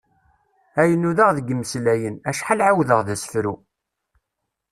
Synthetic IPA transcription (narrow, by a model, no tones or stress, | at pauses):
æjənːuðaʁðəɡəmːəslæjənæʃħalʕawðəʁðæsə̥fɾu